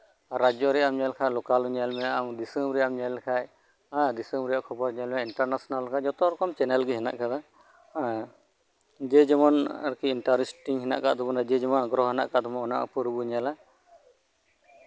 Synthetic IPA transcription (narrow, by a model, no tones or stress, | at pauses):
ɾad͡ʒɔɾɛamɲalkʰalɔkaluɲalmɛamdisəbɾiamɲalkʰaj | adisəmbɾijaʔkʰɔpɔɾɲalmɛiɳʈaɾnasɔnalːkʰad͡ʒɔt̪ɔɾɔkɔmt͡ʃɛnɛlɡiɦɛna̰ʔkad̪a | d͡ʒɛd͡ʒɔmɔnɾkiiɳʈaɾisʈiŋɦɛna̰ʔka̰ʔd̪ɔbɔnad͡ʒɛd͡ʒɔmanɡɾɔɦɦɛna̰ʔkaʔd̪ɔmɔɔna̰ʔpuɾbuɲala